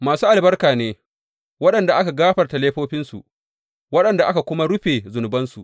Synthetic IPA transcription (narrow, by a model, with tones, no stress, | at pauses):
maː˨suː˦ʔa˨lbɐ˦rkaː˨neː˦ | wɐ˦ɗɐ˨nda˨ʔa˦ka˨ɡaː˦ɸɐ˨rta˨leː˦ɸoː˦ɸɪ˦nsṵ˨ | wɐ˦ɗɐ˨nda˨ʔa˦ka˨kʷʊ˦ma˦ɽʊ˦ɸeː˨zʊ˨nʊ˨bɐ˦nsu˨ʔ